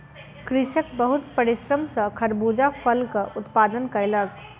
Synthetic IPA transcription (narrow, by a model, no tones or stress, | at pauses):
kɾɪʃək̚bəɦʊt̪pɐɾɪʃɾəmsɐkʰɐɾbuːd͡ʒafʰəlkaʔʊt̪paːd̪ənkaɪlaɡ